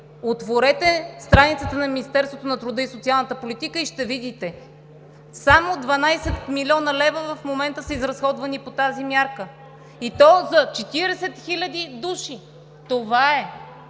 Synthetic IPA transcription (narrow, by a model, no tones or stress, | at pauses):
ot̪voɾɛt̪ɛst̪ɾanit̪sət̪ənɐminist̪ɛɾst̪vot̪onɐt̪ɾud̪əisot̪sialˠnət̪əpolit̪ikəiʃt̪ɛvid̪it̪ɛ | samod̪vɐnajsɛt̪milʲiɔnəlɛvəvɐfmomɛnt̪əsəizɾɐsxɔd̪vɐnipot̪azimjaɾkə | it̪ɔzɐt͡ʃɛt̪iɾɛsɛt̪xilʲɐd̪id̪uʃi | t̪ovaɛ